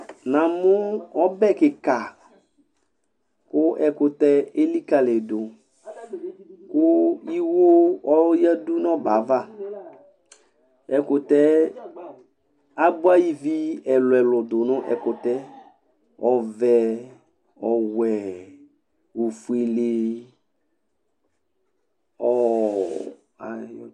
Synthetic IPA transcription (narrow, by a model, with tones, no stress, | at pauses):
nã˨mʊ˦ɔ˦bɛ˦˨kɪ˨ka˨ | kʊ˦ʔɛ˨kʊ˨tɛ˦e˦li˦ka˨le˨dʊ˨ | kʊ˦i˦wo˦ɔ˦ja˦du˦nɔ˦ba˨˦va˦˨ | ɛ˨kʊ˨tɛ˦ | a˦bu˦a˦ji˨vi˦ɛ˨lʊ˨ɛ˨lʊ˨dʊ˨nʊ˦ʔɛ̰˨kʊ˨t̪ɛ˦ | ɔ˨vɛ˨ | ɔ˨wɛ˨ | wo˨fu˨e˨le˨ | ɔ˨ | a˨j